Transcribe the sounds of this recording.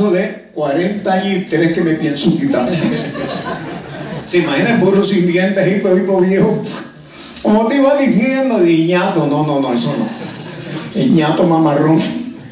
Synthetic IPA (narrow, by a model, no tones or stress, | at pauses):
soðe | kwaɾent̪aaɲosit̪eɾehkemepjensukit̪ame | siimahinaburusind̪jent̪eɦit̪oip̪oβjeho | komot̪eiβad̪iθjend̪oðieɲat̪ononõnõesonõ̰ | eɲat̪omamaron